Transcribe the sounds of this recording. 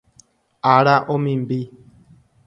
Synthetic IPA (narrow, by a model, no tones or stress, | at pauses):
aɾaʔomĩmbi